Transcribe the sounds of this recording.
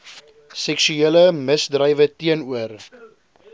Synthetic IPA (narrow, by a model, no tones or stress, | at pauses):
sɛksyiələməsdrəjvətiənuər